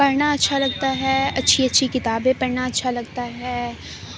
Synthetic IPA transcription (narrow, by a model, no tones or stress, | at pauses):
pɐɾnaɐtːʃʰalɐɡ̚t̪aɦɛːɐtːʃʰiɐtːʃʰikɪt̪aːbẽpɐɾnaɐtːʃʰalɐɡt̪aɦɛː